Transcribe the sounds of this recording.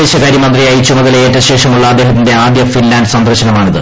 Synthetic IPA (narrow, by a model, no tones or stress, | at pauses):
eːɕɐkaːɾjɐmɐnd̪rijaːjit͡ɕːumɐðɐleeːtːɐɕe̞ːʂɐmuɭːɐːd̪eːɦɐt̪̬ːinde̞aːd̪jɐfinlaːndsɐnd̪ɾɐrɕɐnɐmaːɳiðɨ